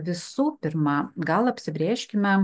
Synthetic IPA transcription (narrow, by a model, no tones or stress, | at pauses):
ʋʲɪsuːpʲɪɾmɑɡɐlˠɐpʲsʲɪbʲɾʲeːʃʲkʲɪmʲɛ